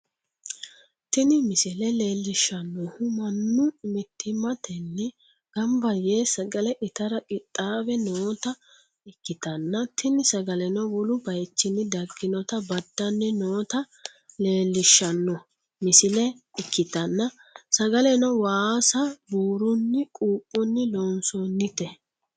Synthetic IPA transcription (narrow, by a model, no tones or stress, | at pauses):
t̪ɪnɪmɪsɪlɛle̞ːlːɪʃːɐnːɔhʊmɐnːʊmɛt̪ʰːɪmɐt̪ɛnːɛ | ɡ̥ɐmbɐjeːsɐɡɐlɛʔɪt̪ɐɾɐkʼɪt̪ʼːaːbɛnoːt̪ɐ | ɪkːɪt̪ɐnːɐt̪ɪnɪsɐɡɐlɛnɔwɔlʊbɐjt͡ʃːɪnːɪd̪ɐɡːɪnɔt̪ɐbɐd̪ːɐnːɛnoːt̪ɐ | le̞ːlːɪʃːɐnːɔ | mɪsɪlɛ | ɪkːɪt̪ɐnːɐ | sɐɡɐlɛnɔwaːsɐbuːɾʊnːɪkʼuːpʼːɔnːɪloːnsɔnːɪt̪ɛ